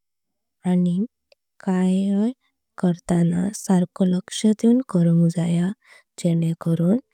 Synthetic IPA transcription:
ani | kajj | kəɾt̪anasaɾkɔləkʂət̪uːnkəɾuŋd͡zaja | d͡ʒeɽekəɾuːn

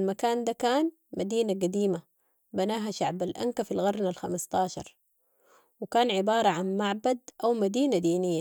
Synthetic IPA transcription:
lmakaːnd̪akaːn | mad̪iːnaɡad̪iːma | banaːɦaʃaʕbalʔa̰ŋkafilɣɑɾˤnalxamast̪ɑːʃɑ̰ɾˤ | wɪkaːnʕɪbɑːɾˤɑʕanmaʕbad̪ʔawmad̪iːnad̪iːnɪjːa

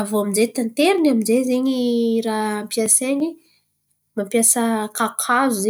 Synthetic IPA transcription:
avoaminzet̪ant̪eɾinaminzezeɲirampijaseɲi | mampjasəkakʰazuze

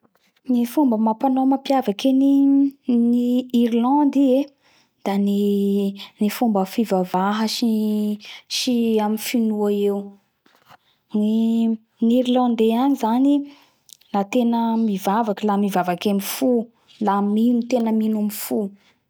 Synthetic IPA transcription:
nifumbəmapanomapjavakeni | niiɾlɑ̃nd̪ie | d̪̥ani | nifumbəfivavaɦəʃi | ʃiamifinuaew | ni | niɾlɑ̃nd̪eanizani | lat̪enəmivavakəlamivavakemifu | laminut̪enəminamifu

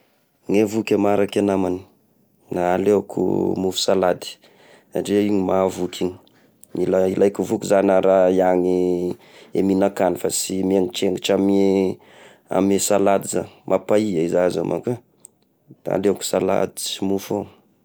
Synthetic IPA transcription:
ŋevukʲəmaɾakanamani̥ | naaleakʰṵmufu̥salad̪i̥ | a̰ʈ͡ʂeiɲimavukʰʲiɲi̥ | ilailʔajkuvukuzanaɾaiaŋi | ḛminakanifasimieŋiʈ͡ʂeŋɡiʈ͡ʂam | a̰mesalad̪iza̰mʔapaiaizaza̰mʔa̰ka | d̪̥aa̰leaku̥sala̰d̪i̥simufo

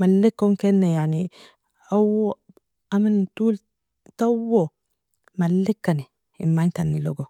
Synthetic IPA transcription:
malːikːonkenːajaʕni | ʔaw | ʔamant̪uːl | t̪awːo | malːikːani | ḭmːant̪anːiloɡo

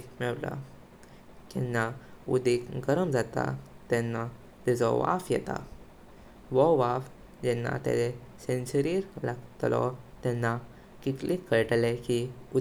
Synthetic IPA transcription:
mɛɭla̰ | kɛnːaud̪ikɡəɾəmd͡zat̪a̰t̪ɛnːa | d̪ɛd͡zɔ̰ʋa̰fjɛt̪a̰ | ʋɔʋaf | d͡ʑɛnːa̰t̪ɛ̰e | sensəɾiɾlaɡt̪lɔ̰t̪ɛnːa | kit̪likːəɭʈlekiu

